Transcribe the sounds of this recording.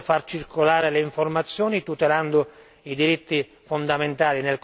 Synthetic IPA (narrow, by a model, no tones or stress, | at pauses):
fart͡ʃirkolaːɾeleiɱformat̪sːjɔːnit̪ut̪eland̪ʊ | id̪iɾit̪ːi | fond̪ament̪aːlinelk